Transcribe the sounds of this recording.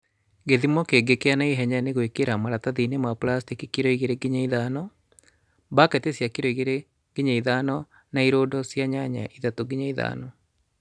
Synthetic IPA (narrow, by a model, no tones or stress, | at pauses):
ɡeðimɔkeɡekeanaiɦɛɲaneɣoikeɾamaɾataðinemaplastikikiɾɔiɣeɾeɡiɲaiðanɔ | bakɛtesjakiɾɔiɣeɾe | ɡ̥iɲaiðanɔ | naiɾodɔsjaɲaɲa̰ʔiðatoɡiɲaiða̰nɔ